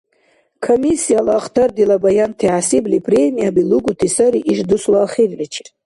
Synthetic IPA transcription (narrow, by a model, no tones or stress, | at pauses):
kʰomisijalaːχtʰard̪ilabajantʰiʕasiblipʰʼremijabiluɡutʰisaɾiʔiʐduswaːχervit͡ʃʰi̥tʼ